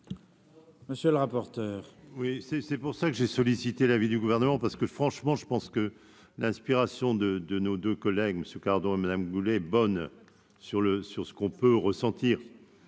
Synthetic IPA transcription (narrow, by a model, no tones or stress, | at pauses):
məsjøləʁapɔʁt̪œːʁwisɛsɛpuʁsakəʒesɔlisit̪elavid̪yɡuvɛʁnəmɑ̃paʁsə̥kəfχɑ̃ʃmɑ̃ʒəpɑ̃skə | lɛ̃spiʁasjɔ̃d̪əd̪ənod̪økɔlɛɡməsjøkaʁd̪ɔ̃emad̪amɡulɛɛbɔn | syʁləsyʁsə̥kɔ̃pøʁəsɑ̃t̪iːʁ